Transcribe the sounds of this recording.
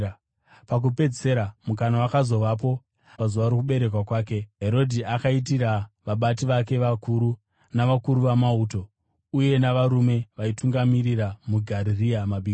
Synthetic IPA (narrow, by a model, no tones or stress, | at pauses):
pak̬upe̞d͡zseɾamuk̬anawakazo̞ʋap̬o̞ | pazuʋaɾok̬uɓe̞ɾe̞k̬wakwaːke̞ɦe̞ɾo̞dʱiakait̬iɾaʋaɓatiʋake̞ʋakuɾu | naʋakuɾuʋamauːto̞ | uje̞naʋaɾume̞ʋaituŋɡamiɾiramuɡʱaɾiriamaɓiː